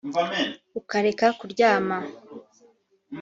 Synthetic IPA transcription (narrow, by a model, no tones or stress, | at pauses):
ukaɾe̞kakuɾɟaːma